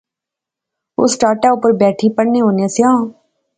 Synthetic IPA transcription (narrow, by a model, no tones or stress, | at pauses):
ʊ̰sʈaːɾʈaʊpəɾbɛːʈʰipəɽneːɦoːnjãːseãː